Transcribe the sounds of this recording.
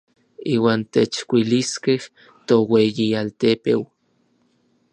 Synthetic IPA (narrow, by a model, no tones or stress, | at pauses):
iːwaːnt̪et͡ʃkʷiliskeh | t̪owejialt̪epew